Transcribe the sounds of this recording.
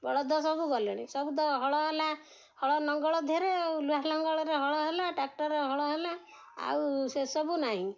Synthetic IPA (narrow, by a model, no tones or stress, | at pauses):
bɔɭɔd̪ɔsɔbuɡɔleɽ̃ḭsɔbud̪ɔɦɔɭɔɦela | hɔɭɔnɔŋɡɔɭɔd̪ʱeɾeluaɦlɔŋɡɔɭɔɾeɦɔɭɔɦelaʈak̚ʈɔɾeɦɔɭɔɦela | a̰wsesɔbunaɦĩ